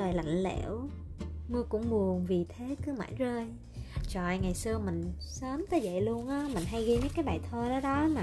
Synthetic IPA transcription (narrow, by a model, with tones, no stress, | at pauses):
əː˨˩jla̰˧˨jŋ̟lḛ˧˩w | mɨ˧kʊ̰˧˥ŋ͡mɓu˨˩əŋvi˨˩t̪ʰe˨˦kɨ˨˦əma̰ː˧˥˩nzəː˧j | t͡ɕɔ̰˧˨jŋa˨˩jsɨ˧əmï˨˩ŋ̟səː˨˦mt̪əː˨˦jzə̰˧˨jlu˧ənʔaː˨˦mï˨˩ŋ̟ɦa˧jɣi˧nə˨˦kaː˨˦jɓa̰ː˨˩jt̪ʰəː˧ɗɔ˨˦ɗɔ˨˦na˨˩